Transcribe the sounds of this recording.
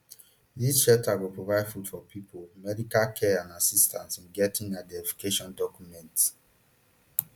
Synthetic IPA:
disʃɛtʰaɡopʰɹovaɪdfudfɔpʰipolmɛdikalkʰɛãnasistʰãnsĩnɡɛtĩŋat̚dɛɛvu̥keʃɔ̃ndɔkjumɛ̃nt

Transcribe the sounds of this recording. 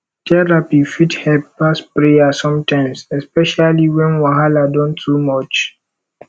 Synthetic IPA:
tʰɛɾapifithɛlppaspɾejasɔ̃mtʰãɪ̃msɛspɛʃaliwɛ̃nwaɦaladɔ̃ntʰːumɔt͡ʃ

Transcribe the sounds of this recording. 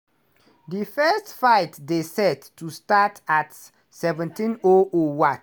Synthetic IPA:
difɛstfaɪtdesɛtːustatʰat | sɛvɛ̃ntĩnoowa

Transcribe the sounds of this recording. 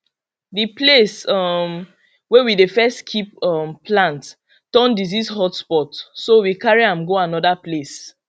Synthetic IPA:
diplesɔm | wɛwidefɛstkʰipɔmplãnt | tɔ̃ndizishɔtspɔtsowikaɹiãmɡoanɔdaples

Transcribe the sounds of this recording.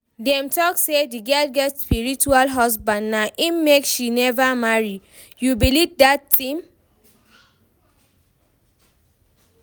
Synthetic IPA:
dɛ̃mtɔksediɡalɡɛtspiɹit͡ʃualɦɔs̬bãndnaʔimekʃinɛvamaɹi | jubilivdatĩm

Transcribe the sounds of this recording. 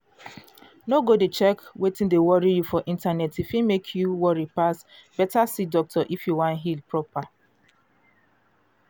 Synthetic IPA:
noɡodet͡ʃɛkwetĩndewɔɹijufɔʔĩntanɛtifĩmekʰjuwɔɹipas | b̥ɛtasidɔk̚tʰɔʔifjuwãnɦilpɹɔpa

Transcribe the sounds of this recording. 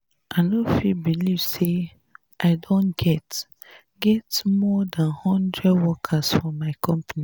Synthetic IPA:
ʔanofibilivse | ʔaɪdõnɡ̥ɛt | ɡɛtmɔdãnhɔ̃ndɹɛdwɔkʰasfɔmaɪkʰɔ̃mpani

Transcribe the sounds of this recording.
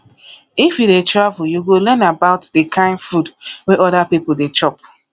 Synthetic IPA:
ifjudetɹavujuɡolɛnabaʊtdekʰãɪ̃nfudwɛʔɔdapipoldet͡ʃɔp̚

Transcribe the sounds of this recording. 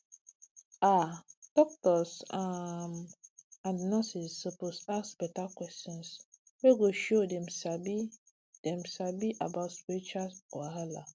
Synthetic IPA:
ad̥ɔk̚tɔsamãnnɔsisːoposassb̥ɛtakwɛstɔ̃ns | weɡoʃodɛ̃msabi | d̥ɛ̃msabiʔabaʊtsit͡ʃasɔɦala

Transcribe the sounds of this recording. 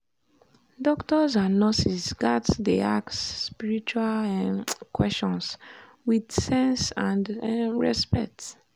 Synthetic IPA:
dɔktɔzãnnɔsisɡatdeaksːpiɹit͡ʃual | kwɛst͡ʃɔ̃ns | widsɛ̃nsãndɹɛspɛk̚t

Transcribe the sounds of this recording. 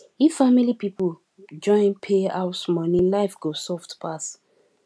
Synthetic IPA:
ifamilipipu | d͡ʒɔ̃ɪ̃npʰeaʊsmɔnĩlaɪfɡosɔftpas

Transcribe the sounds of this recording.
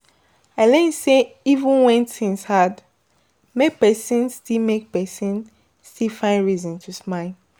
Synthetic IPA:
aɪlɛĩseivũnwɛ̃ntĩnshad | mek̚pɛsĩnstilmek̚pɛsĩn | stilfãɪ̃ndɹizɔ̃ntʰusmaɪl

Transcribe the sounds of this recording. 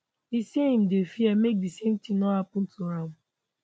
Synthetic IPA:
iseɦĩm̩defiɛmek̚disem̩tĩŋnɔhapʊ̃n̩tuɾan

